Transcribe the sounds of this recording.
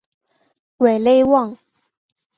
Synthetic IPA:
we˨˩ɪle˥˧ɪwɑ˥˨ŋ

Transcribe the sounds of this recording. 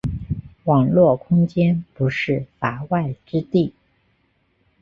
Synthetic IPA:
wɑ˨˩ŋlwɔ˥˩kʰʊ˥ŋt͡ɕjɛ˥npu˧˥ʂɻ̩˥˩fa˧˥wa˥˩ɪʈ͡ʂɻ̩˥t̪i˥˩

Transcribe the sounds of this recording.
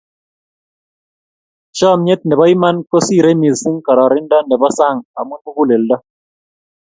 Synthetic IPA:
t͡ʃɔ˦˨mɲe˦t̪̚nɛ˨bɔ˦i˦ma˦nko˦si˦˨ɾe˦mi˨zsi˦ŋkɔ˨ɾɔ˨ɾɪ˦nda˦nɛ˨bɔ˦sa˦˨ŋa˨mwu˦nmu˦ɡu˦le˨ldɔ˦

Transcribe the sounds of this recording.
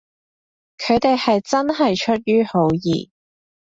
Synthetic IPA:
kʰɵ˨˧ɥt̪e˨jhɐ˨jt͡sɐ˥nɦɐ˨jt͡ʃʰɵ˥t̚jyː˥ho˨˧˥wjḭː˨˩

